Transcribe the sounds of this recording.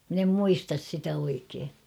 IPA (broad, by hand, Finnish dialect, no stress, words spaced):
min em muistɑs sitæ oikeː